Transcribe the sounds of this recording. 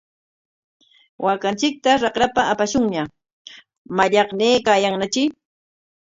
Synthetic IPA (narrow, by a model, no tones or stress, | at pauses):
wakant͡ʃɪk̚t̪aɾɑχɾapaapaʃʊŋɲa | maʎɑχneːkajaŋnat͡ʃɪ